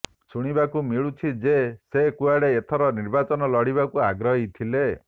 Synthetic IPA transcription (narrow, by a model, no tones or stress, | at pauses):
suɽ̃ibakumiɭut͡ʃʰid͡ʒesekuaɽeːt̪ʰɔɾɔniɾbat͡ʃɔnɔlɔɽiβakuaɡɾɔɦit̪ʰile